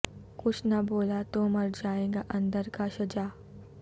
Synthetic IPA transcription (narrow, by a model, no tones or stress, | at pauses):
kʊt͡ʃʰnɐboːlat̪omɐɾd͡ʒaːẽːɡaʔɐ̃nd̪əɾkaʃɐd͡ʒaː